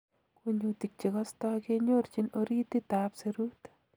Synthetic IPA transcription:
ku˦ɲu˧t̪i˨k̚t͡ʃi˨ka˦st̪ɔ˦ke˦ɲo˦ɾt͡ʃi˨no˧ɾi˦t̪i˦t̪apse˧ɾu˦t̪

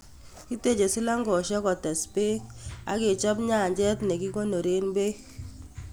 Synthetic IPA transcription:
ki˦te˦˨t͡ʃe˨si˦la˦ŋɡɔ˨ʃɛ˦kɔ˨tɛ˨spe˦a˨ke˨t͡ʃɔ˦bɲa˦˨ɲd͡ʒɛ˦tnɛ˨ki˦ko˦no˨ɾe˦nbe˦

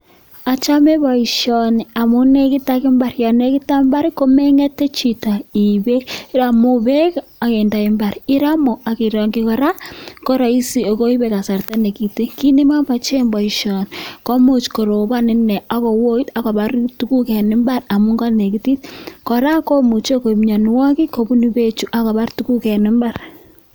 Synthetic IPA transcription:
a˨t͡ʃa˦me˦βɔ˨i˨ʃɔ˨ni˨a˨mu˦ne˨ki˦ta˦kɪ˦mba˨rja˨ne˦ki˦ta˦mba˦ɾi˦ko˦me˦ŋɛ˦te˦t͡ʃi˨ta˨i˨βe˦ɾa˨mu˦βe˦ka˨ke˨nda˨ki˦mba˨ɾɪ˦ɾa˦mo˨a˨ki˨ɾɔ˨ŋɡi˦kɔ˨ɾa˦ko˦ɾa˨i˦si˨o˨ko˦i˦be˦ka˨sa˨rta˦ne˨ki˨te˦ki˦ni˦ma˦ma˨t͡ʃe˦mbɔ˨i˨ʃɔ˨nko˦mu˨t͡ʃko˨ɾo˨ba˦nɪ˦nɛ˨a˨˦kɔ˨wo˦i˦ta˨ka˨ba˦ɾtu˦ku˦kɛ˨nɪ˦mba˦ɾa˨mu˦ŋɡa˦ne˨ki˦ti˦tkɔ˨ɾa˦ko˦mu˨t͡ʃo˦ko˨mɲɔ˨nwɔ˦ki˦ko˦bu˦ni˦be˦t͡ʃu˦ʔa˦ka˨ba˦rtu˦ku˦kɛ˨nɪ˦mba˦r

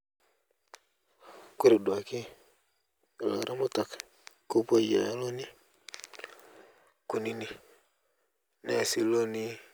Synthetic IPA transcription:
ko˦ɾi˨dwa˨ki˦˨ | la̰˨ɾa˦mo˦ta˨k | ko˦po˦˨ja̰˨˦lo˦ni˦ | ku˨ni˦ni˨ | ne˦˨si˨lo˦ni˦

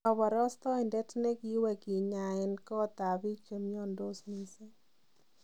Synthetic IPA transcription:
ɔ˨βɔ˨ɾɔ˦st̪ɔ˦ɪ˨ndɛ˦tnɛ˦ki˦wɛ˨ki˨ɲa˨ɪ˨nkɔ˦t̪a˨βi˦t͡ʃe˨mjɔ˦ndo˦sni˦se˦

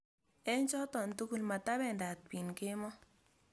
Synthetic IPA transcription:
ɛ˦ɲt͡ʃɔ˦tɔ˨ntu˦ku˦˨lma˨ta˦βɛ˦˨nda˨t̪̚bi˨nke˦mɔ˦

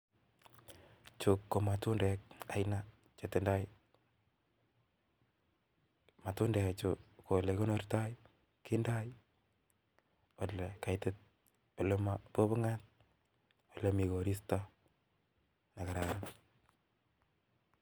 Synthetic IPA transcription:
t͡ʃokːo˨ma˨tʊ˦ndɛk̚a˨jna | t͡ʃe˨te˨nda˦j | ma˨tʊ˦ndɛ˨kat͡ʃoko˨le˨ko˦norta˦j | kenda˦j | o˨le˨ka˨jte˦t̚ | o˨le˦mapo˦bo˦ŋa˦t̚ | o˨lemi˨ko˨ɾi˦sta | na˨ka˨ɾaɾa

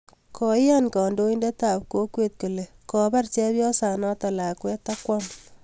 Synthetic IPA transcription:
kɔ˨jja˦nkɔ˨ndo˦inde˦ta˨p̚ko˦kwe˦t̚ku˨le˨ | kɔ˨ba˦rt͡ʃɛ˦pjɔ˦sa˨nɔ˦ta˨la˨kwɛ˦ta˦kwɔ˦m

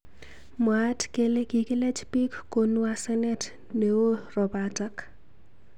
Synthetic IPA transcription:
mwatke˦le˦ki˨ki˦lɛ˦t͡ʃpi˦kːo˨n˦a˦sɛ˦nɛ˦t | ne˨wo˦rɔ˨batak

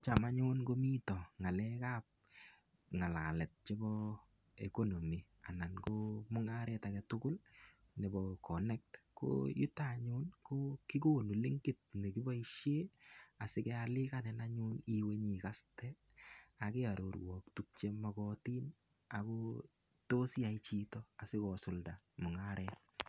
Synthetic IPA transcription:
t͡ʃa˨ma˦ɲʊnko˦mi˦tɔ˨ŋa˨lɛ˦ka˦p̚ | ŋa˨la˨lɛ˨t̚t͡ʃe˦bɔ˦ | eko˦no˨mi˨ | a̰˨na˨nkomʊ˦ŋa˦ɾetakɛtʊ˦kʊ˦l | nɛ˨bɔkʰɔ˨nɛ˦k̚tko̰jṵ˦taɲʊ˦nko˦ki˦ko˦nu˨li˦ŋɡɪt̚nɛ˨kɪ˦bɔ˦iʃje˦a˨sɪ˦kɛalɪ˦kanɛ˨na˦ɲʊniweɲikastɛ | akɪ˦a˨ɾo˨ɾwɔ˨k̚tuk̚t͡ʃe˦makɔti˦n | a˨ko | to˦sait͡ʃitɔa˨sɪ˦kɔsʊlda | mʊ˨ŋaɾɛt

